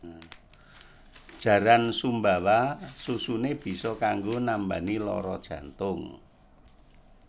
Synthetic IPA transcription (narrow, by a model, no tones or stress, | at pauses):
d̥ʒ̥ä̤ɾansumbawasusuneb̥i̤sɔkaŋɡonambanilɔ̰ɾɔ̰d̥ʒ̥ä̤nt̪ʊŋ